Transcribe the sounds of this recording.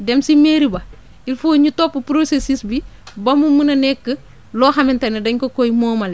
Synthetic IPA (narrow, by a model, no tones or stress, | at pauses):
dɛmsimeːɾibɐ | ilfoːɲutɔpːupɾosesisbibɐmumunɐnɛkːə | lɔːxɐmɛntɐnɛdɐɲkokɔjmoːmɐlɛ